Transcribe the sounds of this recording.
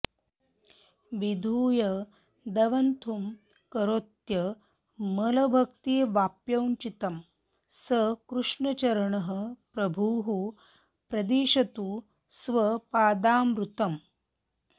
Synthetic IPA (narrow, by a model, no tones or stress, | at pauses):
ʋid̪ʱuːjɐ | d̪ɐʋɐnt̪ʰum | kɐɾoːt̪jɐ | mɐlɐbʱɐkt̪iːʋaːpjɐwɲt͡ʃit̪ɐm | sɐkɾuʂɳɐt͡ʃɐɾɐɳɐɦə̆pɾɐbʱuːɦu | pɾɐd̪eːʃɐt̪uː | sʋɐpaːd̪aːmɾut̪ɐm